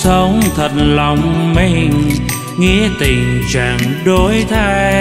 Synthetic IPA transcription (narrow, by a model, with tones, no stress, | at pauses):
sə˨˦wŋ͡mt̪ʰə˨˩t̚la˨˩wŋ͡mmi˧ŋ | ŋi˧˥ət̪i˨˩ŋt͡ɕa̰ː˧˨˩ŋɗo˨˦jt̪ʰaː˧j